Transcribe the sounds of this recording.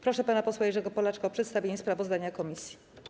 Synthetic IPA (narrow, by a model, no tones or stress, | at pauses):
pɾɔʂɛpanapɔswajɛʐɛɡɔpɔlat͡ʂkaɔpʂɛt̪st̪avʲeɲɛspɾavɔzd̪aɲakɔmʲisʲji̥